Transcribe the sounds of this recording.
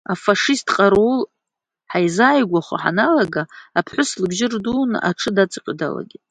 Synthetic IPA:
afaʂistʼʰqʼaɾul | ħajzaːjɡʷaχʷa̰ħa̰nalaɡaːpʰħʷʊslɨbʒɪrduːnɨ̰ʔaʈ͡ʂʰɨdat͡sʼqʲʼda̰la̰ɡʲi

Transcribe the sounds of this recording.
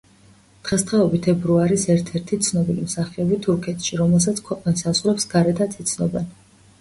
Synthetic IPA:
d̪̥ʁɛst̪χɛɔbit̪ʰɛbɾuaɾisɛɾt̪ʰɛɾt̪ʰit̪sʰnɔbilimsaχiɔbit̪ʰuɾkʰɛt̪ʰʃiɾɔmɛlˠs̬at̪sʰkʰwɛqʼnisazʁɾɛpsɡaɾɛt̪ʰat̪ʰit̪sʰnɔbɛn

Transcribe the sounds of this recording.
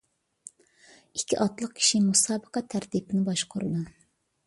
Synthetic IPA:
ikʲʰːḭʔɑt̪lˠəq̚kʲʰi̥ʃimusɑːbəqɑt̪ʰːæɾt̪ipɪnɪbɑʃqʰʊɾɨd̪u

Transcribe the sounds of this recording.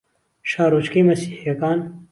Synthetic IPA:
ʃaːɾoːt͡ʃkeːmɐsiːhjɐkaːn

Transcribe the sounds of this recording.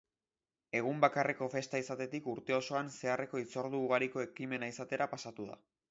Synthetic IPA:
e̞ɣ̞umbakare̞ko̞fe̞st̪aisat̪e̞t̪ikuɾt̪e̞o̞so̞anse̞are̞ko̞it͡so̞ɾð̞uːɣ̞aɾiko̞e̞kime̞naisat̪e̞ɾapasat̪uða̰

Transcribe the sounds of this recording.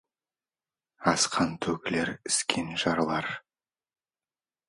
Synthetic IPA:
ɑsqʰɑnt̪ʰɵkʲle̞ɾɪ̥skʲʰe̞nʒɑɾlˠɑɾ

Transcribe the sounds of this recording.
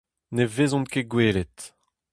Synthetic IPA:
nevezɔ̃nkeɡweːlet̪

